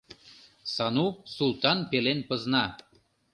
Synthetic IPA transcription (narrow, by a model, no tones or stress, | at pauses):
sɑnusulˠt̪ɑnpelenpɤ̆znɑ